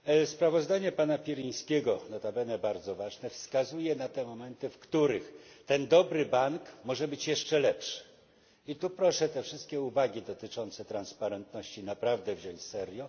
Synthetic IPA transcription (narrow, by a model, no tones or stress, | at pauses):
spɾavɔzd̪aɲɛpanapʲiɾij̃skʲeɡɔnat̪abɛnɛbaɾd̪zɔvaʐnɛfskazujɛnat̪ɛmɔmɛnt̪ɘfkt̪uɾɘxt̪ɛnd̪ɔbɾɘbaŋkmɔʐɛbɘt͡ɕjɛʂt͡ʂɛlɛpʂɘ̥ | it̪upɾɔʂɛt̪ɛfʂɘst̪̚kʲɛuvaɡʲid̪ɔt̪ɘt͡ʂɔnt̪sɛt̪ɾanspaɾɛnt̪nɔɕt͡ɕinapɾavd̪ɛvʑɔɲt͡ɕsɛɾjɔ